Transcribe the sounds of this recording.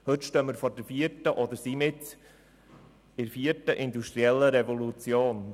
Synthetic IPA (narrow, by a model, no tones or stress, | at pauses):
hɵtʃtœːməɾfɔɾdəɾfiəɾtəʔod̪əɾsiːmɪt | ɪɾfiːəɾtəʔɪnduʃtɾiɛlːəɾɛvolut͡sjoːn